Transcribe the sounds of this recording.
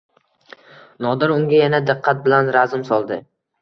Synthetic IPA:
nɒd̪ɪɾʊŋɡʲajanad̪ɨqʰːat̪̚bɪlanɾazɪmsɒlˠd̪ɪ

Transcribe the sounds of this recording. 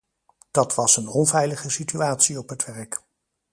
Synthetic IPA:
d̥ɑtʋɑsənɔnvɛjləχəsityaːtsiɔpɦətʋɛɹk

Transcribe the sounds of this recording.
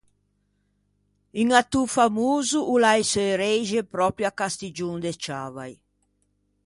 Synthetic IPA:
iŋat̪ufamuːzuʔːlajseɾɛjʒepɾɔpɾjakast̪id͡ʒuŋd̪et͡ʃaːvaj

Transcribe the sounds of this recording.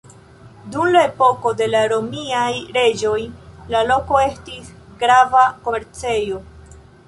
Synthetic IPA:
dumlae̞po̞ko̞de̞laɾo̞miajɾe̞d͡ʒo̞jlalo̞ko̞e̞stisɡɾavakomeɾt͡se̞jo

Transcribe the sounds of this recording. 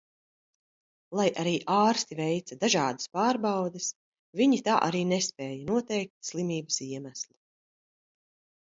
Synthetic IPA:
lˠajʔaɾiːʔaːɾst̪ivɛjt̪sɐd̪aʒɑːd̪ḁspaːɾbawd̪es | viɲit̪aːʔaɾiːnɛspɛːjanuɔt̪ɛjk̚t̪slˠimiːbəsiɛmæslˠi̥

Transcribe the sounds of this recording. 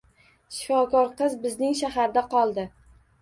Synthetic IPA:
ʃɪfɒkɒɾqɨzbɪznɪŋʃaɦaɾd̪aqʰɒlˠd̪ɪ

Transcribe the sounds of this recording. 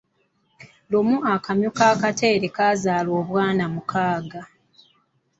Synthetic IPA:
lomuakamjokaːkate̞ːɾe̞kaːzaːlo̞ːβwaːnamukʰaːɡa

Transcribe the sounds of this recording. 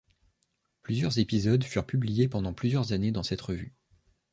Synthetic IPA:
plyzjœʁzepizɔd̪fyʁpyblijepɑ̃d̪ɑ̃plyzjœʁzaned̪ɑ̃sɛt̪ʁəvy

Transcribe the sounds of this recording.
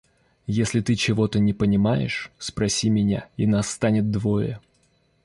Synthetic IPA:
jesʲlʲɪt̪ɨt͡ɕɪvo̞t̪ənʲɪpənʲɪmajɪ̰ʂspɾɐsʲimʲɪnʲa̰inast̪anʲɪt̪̚d̪vo̞jə̰

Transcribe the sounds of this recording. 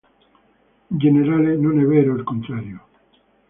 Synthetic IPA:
d͡ʒeneɾalenoneβeɾoelkont̪ɾaɾjo

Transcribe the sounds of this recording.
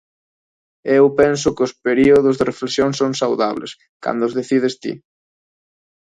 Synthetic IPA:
ewpɛnsʊkɪʊspeɾiʊð̞ʊzðɪrefleksjoŋsoŋsawða̰β̞lḛs | ka̰nd̪ʊzðeθið̞est̪ḭ

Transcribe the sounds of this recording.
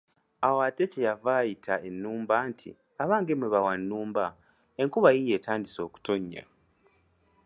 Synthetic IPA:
awate̞cejavaːjitʰaʔe̞nːuːmbaːntʰḭ | aβaːŋɡemweβawanːuːmba | e̞ŋkuβajije̞ːtaːndiso̞ːku̥to̞ɲːa̰

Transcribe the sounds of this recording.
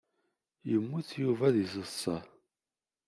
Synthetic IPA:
jəmːuθjuvæðisəsˤːɑ

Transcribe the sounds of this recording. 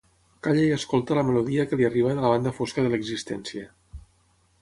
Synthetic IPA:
kaʎejəskolˠt̪ələməluðiəkəliəriβ̞ənələβ̞and̪əfoskəðələɡzist̪ɛnsiə

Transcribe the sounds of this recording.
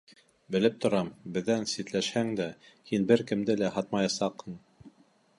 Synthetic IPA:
bɘ̆lɘp̚t̪ŏɾɑmbɘ̆ðːænsit̪læʃhæŋd̪æhinbɘɾkɘ̆md̪ɘlæhɑt̪̚mɑjɑsɑqhɤɴ

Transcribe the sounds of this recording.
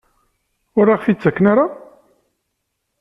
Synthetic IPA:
ʊɾːaʁfit͡sːækːnaɾa

